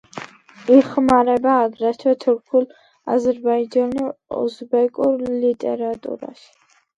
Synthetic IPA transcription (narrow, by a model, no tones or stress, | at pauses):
iχmaɾɛbaːɡɾaʃʰwɛt̪ʰuɾkʰul | a̰zɛɾbaid͡ʒanuɔ̰zbɛkʼuɾlit̪ʼɛ̰ɾat̪ʼṵɾa̰ʃi̥